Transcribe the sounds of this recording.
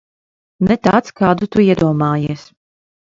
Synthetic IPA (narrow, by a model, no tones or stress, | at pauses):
nɛt̪aːt̪skaːd̪ut̪uiɛd̪uɔmaːjiɛs